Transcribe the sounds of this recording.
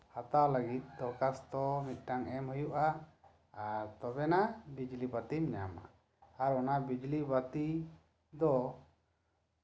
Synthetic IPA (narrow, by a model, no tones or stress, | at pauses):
hat̪awləɡit̪̚d̪ɔkast̪ɔmit̪̚ˀʈaŋɛmhɔjuʔa | t̪ɔbɛnabid͡ʒlibat̪imɲa̰ma̰ | aɾɔnabid͡ʒlibat̪i | d̪ɔ